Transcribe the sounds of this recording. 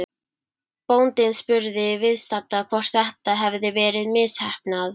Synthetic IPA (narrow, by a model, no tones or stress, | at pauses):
pownt̪ɪnspʏɾðɪvɪðst̪at̪akʰvɔr̥t̪θɛht̪aɦɛvðɪvɛːɾɪðmɪshɛhpnað